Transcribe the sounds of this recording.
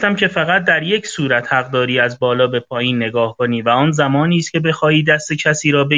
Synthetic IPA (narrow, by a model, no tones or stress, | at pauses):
t̪æmcʰe̞fæɣæt̪̚d̪æɾje̞cʰsuːɾæt̪hæɣd̪ɒːɾiːæzbɒːlɒːbe̞pʰɒːjiːnːe̞ɡɒːhkʰoniːvæɒːnzæmɒːniːst̪kʲcʰe̞be̞xɒːiːd̪æst̪e̞cʰæsiːɾɒːbe